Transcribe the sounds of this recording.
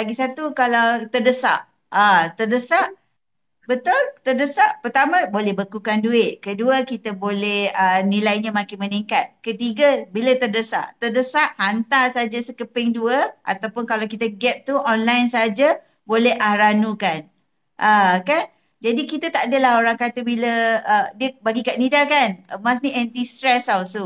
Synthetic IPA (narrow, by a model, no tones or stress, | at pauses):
laɡisat̪ukalawt̪ərdəsa̰ʔ | at̪ərdəsaʔ | bət̪ʊlt̪ərdəsaʔpərt̪amãbolɛhbəkukanduɪʔ̪̚kəduəkit̪abolɛhənilajɲamãkɪməniŋkat̪̚kət̪iɡəbilət̪ərdəsa̰ʔt̪ərdəsaʔhant̪asad͡ʒasəkəpɪŋduəʔa̰t̪awpʊnkalawkit̪aɡɛp̚t̪uʔɔnlajnsaad͡ʒa | bolɛhʔahɾanukan | ʔəkan | d͡ʒadikit̪at̪aʔadəlaɦoɾaŋkat̪əbiləədiəbaɡikat̪̚nidakanəmas̬niɛnt̪ist̪ɾɛsawsu